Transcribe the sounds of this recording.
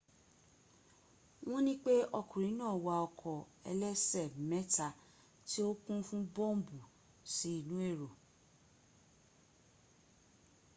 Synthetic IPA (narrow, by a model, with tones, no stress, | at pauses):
w̃ɔ̃˦nĩ˦k͡pe˦ɔ˧kũ˨ɾ̃ĩ˨˦nãː˦˨wa˧ɔ˧kʰɔ˨ɛ̰˧lɛ˦sɛ˦˨mɛ˦ta˧ | ti˦o˦kũ˦fũ˦bɔ̃˦˨m˦bu˨ | si˨˦i˦˨nũ˨˦e˦˨ɾo˨